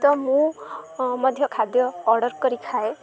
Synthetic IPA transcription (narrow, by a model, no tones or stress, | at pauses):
t̪ɔmũ | mʌd̪ʱjɔkʰad̪jɔːɾɖʌɾkɔɾikʰae